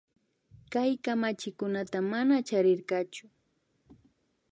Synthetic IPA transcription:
kajkamat͡ʃɪkʊnat̪amanat͡ʃaɾɪɾɢɑt͡ʃʊ̥

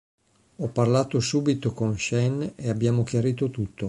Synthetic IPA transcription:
ɔpːarlaːt̪osuːbit̪okonʃɛneabːjaːmok̟jaɾiːt̪ot̪ut̪ʰːo

